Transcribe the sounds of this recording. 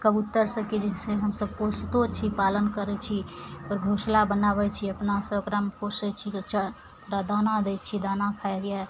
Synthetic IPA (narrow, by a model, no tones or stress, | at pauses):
kəbʊt̪ːəɾsəkid͡ʒɛseɦəmsəb̚kost̪ot͡ʃʰipaːlənkəɾɛt͡ʃʰiɔːɾɡʱoːslabənaːbɛt͡ʃʰiəpnasəɡɾamkosɛt͡ʃʰit͡ʃa | d̪ad̪aːnad̪et͡ʃʰid̪aːnakʰaɾja